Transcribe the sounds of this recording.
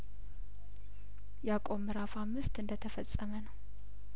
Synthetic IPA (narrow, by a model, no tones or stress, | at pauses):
jakʼo̞mːɨɾafamːɨst̪ɨnd̪ət̪ʰəfəsʼːəmənəw